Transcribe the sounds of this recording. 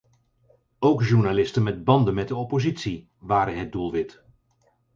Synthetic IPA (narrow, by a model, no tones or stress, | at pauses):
owkʒuɹnalɪstənmɛd̚bɑndənmɛt̚dəɔpozitsi | ʋaːɾənɦəd̚dulˠʋɪt